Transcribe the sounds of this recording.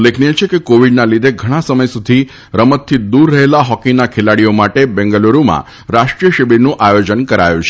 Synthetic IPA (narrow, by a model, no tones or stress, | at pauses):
lːeknijet͡ʃʰekekoʋiɖnalid̪ʱeɡʱəɽ̃ãsəməjsud̪ʱi | ɾəmət̪ʰːid̪uɾːəɦelaɦɔkinakʰelaɽiomaʈebɛŋɡəloɾumã̰ | ɾaʃʈɾijəʃibiɾnũʔajod͡ʒənkəɾa̰jṵ̃t͡ʃʰe